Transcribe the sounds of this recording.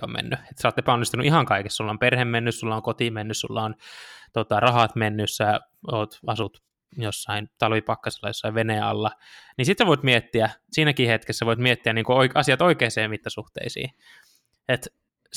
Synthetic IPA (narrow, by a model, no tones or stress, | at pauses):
o̰mḛnːyet̪sɑoːt̪epæonːist̪unuʔihɑŋkɑikesːsulːɑomperhemmenːyssulːɑoŋkot̪imenːyssṵlːɑont̪ot̪ɑrɑɦɑt̪menːyssæ | oːt̪ɑsut̪ | josːɑint̪ɑlʋipɑkːɑsi̥lːɑjosːɑiʋʋeneɑ̰lːɑnisit̪seʋoit̪miet̪ːiæsiːnækiːhet̪kesːæʋoit̪miet̪ːiæniːŋkuoiɑsiɑt̪oikeːseːmit̪ːɑsuht̪ḛisḭː | et̪